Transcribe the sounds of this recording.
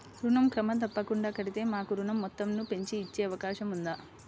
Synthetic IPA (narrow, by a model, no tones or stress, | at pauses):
ɾuɳɐmkɾɐmɐd̪ɐpːɐkuɳɖaːkɐɽit̪e̞ːmaːkuɾuɳɐmːɔt̪ːɐmnupe̞ɲt͡ʃiːt͡ʃːeːɐʋɐkaːʂɐmund̪aː